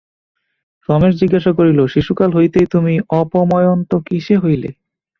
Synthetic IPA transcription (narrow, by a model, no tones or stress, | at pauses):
ʃɔmeʃd͡ʑiɡːaʃakoɾiloʃiʃukalɦojt̪ejt̪umiɔpomɔjont̪okiʃeɦojlḛ